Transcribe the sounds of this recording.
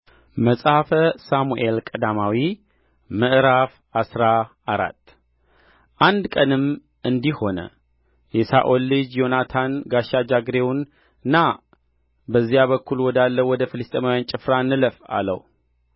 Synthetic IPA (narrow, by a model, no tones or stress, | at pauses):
məsʼhafəsamuʔe̞lkʼəd̪amawi | mɨʔɾaf | asɾaː | ɾa̰t̪ː | ʔand̪kʼənɨm | ʔɨnd̪iho̞nə̰ | jɛsa̰ʔolːɨd͡ʒjo̞nat̪ʰanɡaʃːad͡ʒaɡɾewn | ɨnːa | bəzːijaβəkːulwɔd̪alːəwɔd̪əfɨlɨst̪ʼemawjant͡ʃʼɪfɾanɨləfa̰lə̰w